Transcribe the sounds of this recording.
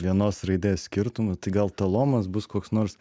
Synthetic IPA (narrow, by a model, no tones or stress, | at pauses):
ʋʲiɛnoːsrɐɪd̪ʲeːssʲkʲɪɾt̪ʊmʊt̪ɐɪɡɐlˠt̪ɐlˠoːmɐsbʊskoːksnoːɾs